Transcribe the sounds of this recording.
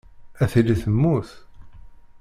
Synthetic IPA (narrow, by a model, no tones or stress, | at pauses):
æθiliθəmːuθ